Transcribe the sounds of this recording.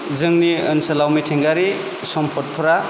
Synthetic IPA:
zɯŋniɯnsɐlawmitʰiŋɡaɾi | sɔmpʰɔt̚pʰɾa

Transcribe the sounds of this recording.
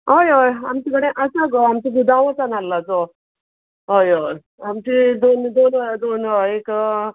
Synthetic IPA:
ɦojojamt͡ɕiɡəɽẽʔasaɡoamt͡ɕiɡud̪ʱaʋət͡sanalːat͡so | ɦojo | amt͡ɕid̪ond̪ond̪onoek

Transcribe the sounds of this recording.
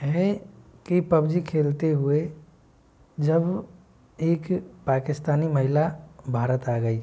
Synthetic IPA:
ɦekipəbd͡ʒikʰelt̪eɦue | d͡ʒəb | eːkpakɪst̪aːniməɦilabʱaɾət̪aɡəi

